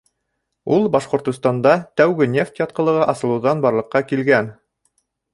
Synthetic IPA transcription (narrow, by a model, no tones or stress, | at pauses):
ulˠbɑʃqŏɾt̪ŏst̪ɑnd̪ɑt̪æwɡɘnʲeft̪jɑt̪̚qɤ̆lˠɤ̆ʁɑʔɑsɤ̆lˠɤ̆ðɑnbɑɾlˠɤ̆qːɑkilɡæn